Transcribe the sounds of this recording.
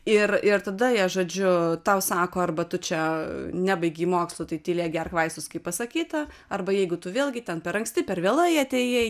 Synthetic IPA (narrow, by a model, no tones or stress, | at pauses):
ɪrɪrt̪ɐd̪ɐiɐʒoːd͡ʒʲʊt̪ɐʊsɑːkoːɐrbɐt̪ʊt͡ʃʲɛnʲæbɐɪɡʲiːmoːkslˠot̪ɐɪt̪ʲiːlʲeːɡʲɛrkʋɐɪsʊskɐɪppɐsɐkʲiːt̪ɐ | ɐrbɐjɛɪɡʊt̪ʊʋʲeːlʲˠɡʲɪt̪ʲɛnpʲɛɾɐŋksʲt̪ʲɪpʲɛɾʋʲeːlˠɐjɐt̪ʲeːje